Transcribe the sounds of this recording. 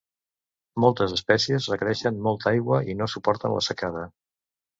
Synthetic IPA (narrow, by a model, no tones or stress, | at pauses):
molˠt̪əzəspɛsiəzrəkəɾɛʃənmɔlˠt̪ajɣwəinosupɔɾt̪ə̰nlʔə̰səkað̞ə